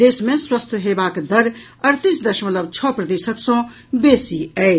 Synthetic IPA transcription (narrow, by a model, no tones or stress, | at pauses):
d̪eːsmẽswəst̪ʰəɦeːbaːkd̪ɐɾ | əɾt̪isd̪ɐʃmələbt͡ʃʰɔpɾɐd̪eːʃəksɔ̃ | beːsiɛ